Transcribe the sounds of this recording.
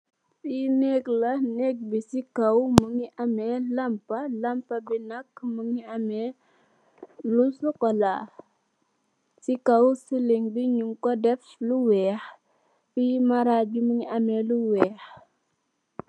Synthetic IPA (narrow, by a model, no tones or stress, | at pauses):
sinɛklɐnɛk̚bisikɐwməŋiʔɐmɛlɐmpɐlɐmpɐbinɐkːməŋiɐmɛ | lusɔkɔla | sikɐwsiliŋbiɲuŋkɔdɛfluwɛːx | fimɐɾabiməŋiʔɐmɛluwɛːx